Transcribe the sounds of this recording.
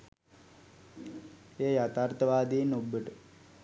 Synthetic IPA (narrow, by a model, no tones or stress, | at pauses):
eːjat̪aːrt̪əʋaːd̪iːnubːəʈə